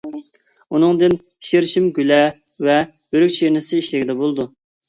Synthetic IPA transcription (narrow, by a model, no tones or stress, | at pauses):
unɨŋd̪ɪn | ʃiɾʃimɡʲylɛvɛ | bøɾykʲt͡ʃʰinɪsɪiʃlɪɡʲid̪ɛbolˠd̪u